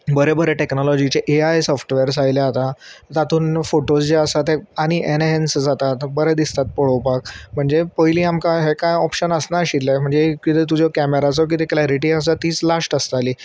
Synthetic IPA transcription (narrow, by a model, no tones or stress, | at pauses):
bəɾebəɾeʈeknɔlɔd͡ʑit͡ɕeʔeajsɔfʈʋeəɾsajleat̪at̪at̪uːnfoʈosd͡ʑeəsat̪eaɽ̃iʔeneɦensd͡zat̪at̪bəɾed̪ist̪at̪̚poɽowpak̚m̤əɳd͡zepəjliːamkaɦekajɔpɕənəsnaɕit̪lajm̤əɳd͡zekit̪et̪̬ud͡ʑɔkæmeɾat͡sɔk̬it̪eklaɾiʈiəsat̪ːiːt͡slasʈəst̪aliː